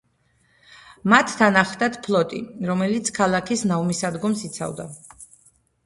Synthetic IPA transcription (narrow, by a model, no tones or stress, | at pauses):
mat̪ʰːanaχd̪at̪ʰpʰlˠɔt̪ʼḭɾɔmɛlit̪sʰkʰalˠakʰisnavmisad̪ɡɔmsit̪sʰa̰vd̪a